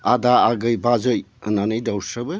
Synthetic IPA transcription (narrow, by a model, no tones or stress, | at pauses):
adaːɡɯjbazɯjɯ̰nanɯjdawsəbɯ